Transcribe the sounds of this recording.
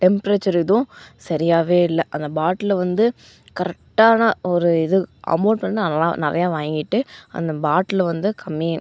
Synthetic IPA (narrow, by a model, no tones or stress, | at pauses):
ʈɛmpɾeːt͡ʃɐɾɪðʊ̃sɐɾɪjaːʋeːɪlːɛʔɐnd̪ɐbaːʈːɪlɐʋɐnd̪ɯ | kɐɾɛk̚ʈaːnɐɔɾɯɪðɯʔɐ̰moːɖ̚pɐɳːɯnɐla̰ːnɪɾɐ̰jaːʋaːŋɡɪʈːɯɐ̰nd̪ɐbaːʈːɪlʋɐnd̪ɯkʰɐmːi